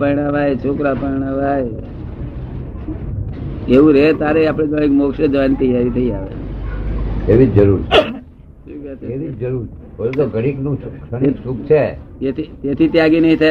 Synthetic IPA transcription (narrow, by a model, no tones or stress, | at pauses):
pəjɽ̃aʋajt͡ʃʰokɾapəɽ̃aʋaj | eʋũɾet̪aɾeapɽ̃ẽɡəɽ̃ikmokʃəd͡ʒʋant̪iaʋit̪ʰəiaʋḛt͡ʃ | eʋid͡ʒəɾuɾt͡ʃʰ | keʋiʋat̪eeʋid͡ʒəɾuɾt͡ʃ | ɦolt̪oɡəɽiknũt͡ʃuʃənikʃũk̚t͡ʃʰet̪et̪ʰit̪et̪ʰit̪jaɡinəɦĩt̪ʰa